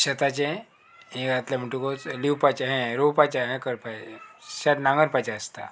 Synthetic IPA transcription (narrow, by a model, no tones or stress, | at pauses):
ɕət̪at͡ɕẽ | ɦẽkat̪ljam̤əɳʈukot͡sliwpat͡ɕaɦɛ̃ɾopat͡ɕaɦɛ̃kəɾpaɕatnãŋɡəɾpat͡ɕaəst̪a̰